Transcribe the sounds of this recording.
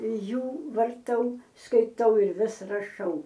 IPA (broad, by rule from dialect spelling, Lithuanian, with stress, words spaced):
ˈjuː ʋɐrˈtɐʊ skɐɪˈtɐʊ ɪr ˈʋʲɪs rɐˈʃɐʊ